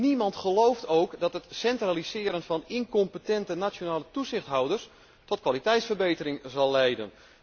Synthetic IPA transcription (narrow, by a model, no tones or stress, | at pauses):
nimɑntχəlowftoːkdɔtɦətsɛntralisɪəɾənfɑnɪnkɔmpətɛntənat͡ʃonaːlətuzɪxtɦawdərs | tɔtkʋalitɛjtsfərbejtəɾɪŋzɑlˠːɛjdən